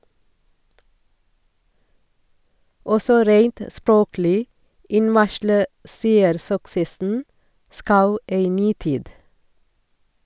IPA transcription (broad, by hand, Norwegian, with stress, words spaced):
ˈɔsɔ ˈɾeɪnt ə ˈspɹoːklɪ ˈɪnʋɑʃlə ˈseːəɾsʏksəsn̩ ˈskɑʉ ˈeɪ ˈnyː ˈtiːd